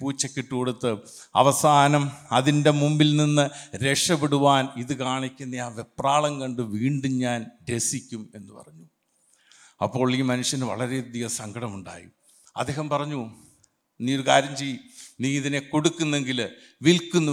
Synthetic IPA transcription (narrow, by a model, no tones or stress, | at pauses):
puːt͡ɕːɐkʲːeʈːukoɽut̪ːɨ | ɐ̰ʋɐsaːnɐmɐðinde̞mumbilninːɨɾe̞ʂɐpiɽuʋaːniðɨkaːɳikʲːunːɐaːʋe̞praːɭɐŋkɐɳɖɨʋiːɳɖuɲaːnde̞sikʲːume̞nːɨpɐ̰rɐɲːu | ɐ̰pːo̞ːɭiːmɐnuʂjɐnʋɐ̰ɭɐɾed̪ijɐsɐŋɡɐɽɐmuɳɖa̰ːji | ɐ̰d̪ːe̞ːhɐmpɐrɐɲːu | niːo̞ɾukaːɾjɐmt͡ɕejːiniːiðine̞ko̞ɽukːunːe̞ŋɡilʋilkːunːu